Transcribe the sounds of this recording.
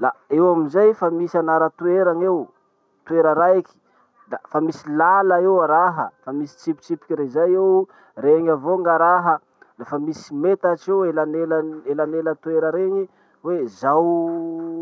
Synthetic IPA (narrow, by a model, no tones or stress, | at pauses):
laewaminzajfamisanaɾət̪ueɾaŋew | t̪ueɾəɾaeki̥ | dafamisilaləewaɾaɦə̰famisi̥t͡sipi̥t͡ʃipi̥kʲiɾezajew | reɲavoŋɡaɾaɦə | lefəmisimet̪at͡ʃewelanelaelanelət̪ueɾəɾeɲi | wezaw